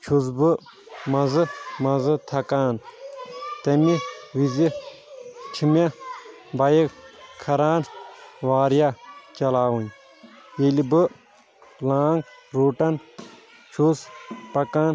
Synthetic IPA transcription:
t͡ʃʰusbɨ | mɐzɨmɐzɨt̪ʰɐkaːn | t̪ɐmiʋizi | t͡ʃʰimʲa | bɐjikkʰɐɾaːnʋaːɾjat͡ʃɐlaːwun | jelibɨ | laːŋɡɾoːʈɐn | t͡ʃʰuspɐkaːn

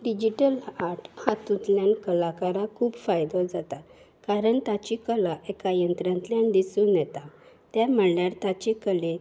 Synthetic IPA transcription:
ɖid͡ʑiʈəlaɾʈhat̪ũt̪ljãnkəlakaɾakʰuːbfajd̪ɔd͡zat̪a | kaɾəɳt̪at͡ɕikəlaʔekajənt̪ɾãnt̪lianid̪isũːnjɛt̪a | t̪jam̤əɳljaɾt̪at͡ɕekəle

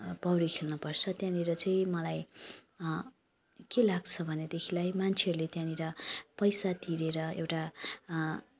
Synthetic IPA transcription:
pʌwɾikʰelnupʌrt͡sʰʌt̪jãniɾʌt͡saĩmʌlaj | kelaɡ̚t͡sʰʌbʱʌned̪ekʰilajmant͡sʰeɦʌɾulet̪jãniɾʌpʌjsat̪iɾeɾʌḛwʈa

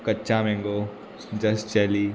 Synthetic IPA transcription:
kɐtːt͡ʃãmɛ̃ŋɡo | d͡ʒɐst͡ʃɛli

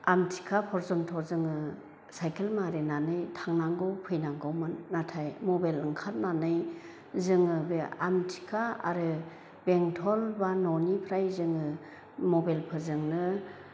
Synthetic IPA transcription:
amtʰi̥kʰapʰɔɾzɔntʰɔzɯŋɯ | sajkʰelmaɾenanɯjtʰaŋnaŋɡɔwpʰɯjnaŋɡɔwmɯnːatʰajmɔbalɯŋkʰat̚nanɯj | zɯŋɯbea̰mtʰi̥kʰaa̰ɾɯ | beŋtʰɔlbanɔnipʰɾajzɯŋɯ | mɔbalpʰɯɾzɯŋnɯ

